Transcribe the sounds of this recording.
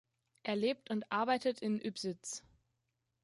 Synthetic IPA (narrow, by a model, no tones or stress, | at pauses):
ʔeːɐleːp̚tʊntʔaɐbaɪtətʰɪnʔypz̥ɪt͡s